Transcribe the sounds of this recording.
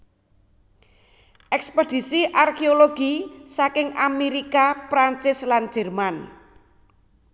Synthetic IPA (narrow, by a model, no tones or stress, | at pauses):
ʔɛksped̥i̤siʔarkeoloɡ̥isakɪŋameɾikapɾant͡ʃɪslan̥d͡ʒ̥ɛ̤rman